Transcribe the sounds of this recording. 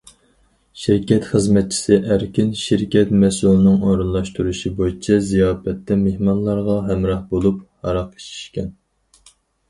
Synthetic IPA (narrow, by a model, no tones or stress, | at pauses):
ʃiɾkʲɛt̪χəzmɛt̪̚t͡ʃʰi̥sɪʔæɾkʲinʃiɾkʲʰɛt̪mɛsulˠɨnɨŋoɾɨnlˠɑʃt̪ʰuɾuʃibojit͡ʃʰɛzijɑːfɛt̪ʰːɛmehmɑnlˠɑɾʁɑɦɛmɾɑhbolˠuphɑɾɑqʰe̥t͡ʃʰi̥ʃkʲɛn